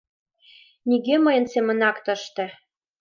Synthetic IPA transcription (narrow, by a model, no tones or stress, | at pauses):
niɣeməjə̆nsemə̆nɑkt̪ə̆ʃt̪ĕ